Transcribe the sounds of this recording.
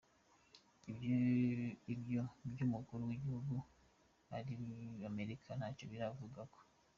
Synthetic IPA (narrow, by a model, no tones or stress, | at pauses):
i | ibjobjumukuɾuwiɟihuɡu | aɾiame̞ɾikʰanat͡ʃoβiɾavuɡako̥